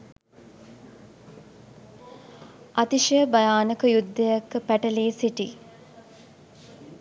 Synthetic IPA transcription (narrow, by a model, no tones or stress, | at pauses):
ɐt̪iʃijəbajaːnəkəjud̪ːəjakːpæʈəleːsiʈi